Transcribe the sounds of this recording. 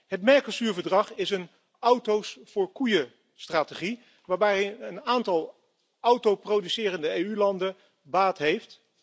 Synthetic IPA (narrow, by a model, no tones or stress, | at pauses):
ɦətmɛɹklsyːɹvəɹdrɑχɪsən | ʌwtowsfʊːɹkujə | straːteχi | ʋaːɹbɛjɦənaːntɑlˠ | ɔwtowprowdysɪːrəndəejylɑndə | baːtɦejft